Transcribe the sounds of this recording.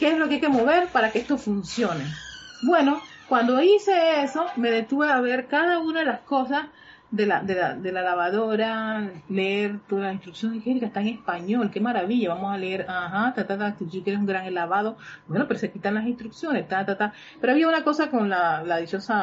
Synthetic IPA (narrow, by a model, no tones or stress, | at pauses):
ke̞eslo̞keajkemo̞βe̞ɾpaɾakeest̪ofunsjo̞ne̞bwe̞no̞ | kwand̪o̞ise̞eso̞me̞ðe̞t̪uβeaβe̞ɾkaðaunaðelasko̞sas | ðe̞la̰ðelaðe̞lalaβaðo̞ɾaleeɾt̪olasinst̪ɾuksjo̞niheɾikaest̪aeŋe̞spaɲo̞lke̞maɾaβiʝaβamo̞saleeɾaɦat̪at̪at̪at̪ut͡ʃikeɾes̬uŋɡɾaŋelaβaðo̞bwe̞no̞peɾosekit̪anlasinst̪ɾuksjo̞nest̪at̪at̪a | peɾoaβiaunako̞sako̞nlalaðit͡ʃo̞sa